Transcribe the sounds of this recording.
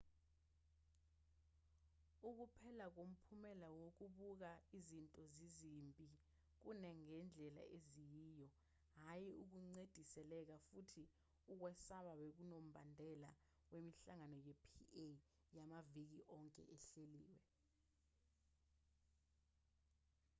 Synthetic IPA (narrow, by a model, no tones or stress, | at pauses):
uk̬upʰɛlak̬om̩pʰumɛlawok̬uɓuk̬aizintʼɔzizimpʼi | k̬unɛŋɛnd͡ɮʱɛla̰ezijiːjɔ | ɦajiuk̬uŋ͡ǀed̥ʱisɛlɛk̬afutʰi | uk̬wɛsaɓaɓek̬unom̩ɓʱandʱɛla | wemiɬaŋanɔjepʰie | jamavik̬iʔɔŋkʼɛ̰ʔɛɬeliːwɛ